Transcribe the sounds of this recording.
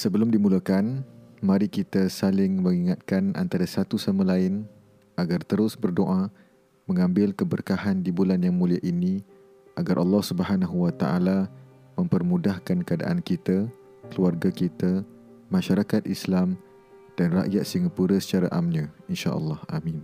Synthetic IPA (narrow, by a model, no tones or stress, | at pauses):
səbəlʊmdimuləkanmãɾikit̪asalɪŋməŋiŋat̪̚kanʔa̰nt̪aɾasat̪usamãlaɪn | aɡart̪əɾʊsbərdoʔa | mə̃ŋãmbɪlkəbərkahandibulanjaŋmũliaʔini | ʔaɡarʔɑlːɑhsubəhanaɦuwat̪aʔa̰la | mə̃mpərmũdahkankəada̰ʔa̰nkit̪a | kəluarɡakit̪a | mãʃaɾakat̪̚islam | d̥anra̰ʔjat̪̚siŋəpuɾəsə̥t͡ʃaɾaʔamɲãinʃa̰ʔə̰lːɑhamin